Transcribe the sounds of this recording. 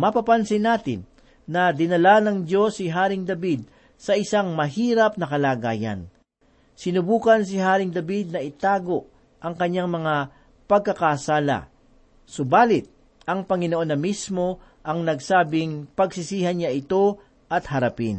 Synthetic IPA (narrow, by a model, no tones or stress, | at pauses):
mɐpɐpansɪnaːt̪ɪ̰nː | ɐd̪ɪnɐlanɐŋd͡ʒo̞sːɪɦaːɾɪŋd̪ɐbid̪̚ | sɐʔɪsaŋmɐɦiːɾɐp̚nɐkɐlaːɡaːjɐ̰n | sɪnʊbuːkɐns̬ɪɦaːɾɪŋd̪ɐbid̪̚nɐʔɪt̪aːɡo̞ʔ | ʔɐŋkɐɲːaŋmɐŋa | pɐɡ̚kːɐkasaːlɐ̰ | sʊbaːlɪt̪̚ | ʔɐŋpɐŋɪnoʔo̞nɐmismo̞ | ʔɐŋnɐɡsaːbɪŋpɐɡsɪsiːhɐnɲaʔɪt̪o̞ | ʔɐt̪hɐɾɐpin